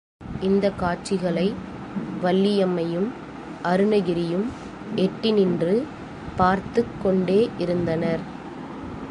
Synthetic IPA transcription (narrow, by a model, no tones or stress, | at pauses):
ʔɪnd̪ɐkːaːt͡ʃɪɣɐɭɐɪ | ʋɐlːɪjɐmɐjɯm | ʔɐɾɯnɐɣɪɾɪjɯm | ɛʈːɪnɪndrɯ | paːɾt̪ɯkːɔɳɖeːʔɪɾɯnd̪ɐnɐɾ